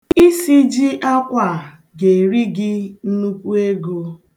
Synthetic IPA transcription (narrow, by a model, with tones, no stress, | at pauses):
i˦si˦d͡ʒɪ˦ʔa˦kʷa˨ | ɡe˨ɾi˦ɡɪ˦n̩˦nu˦kʷu˦e˦ɡo˦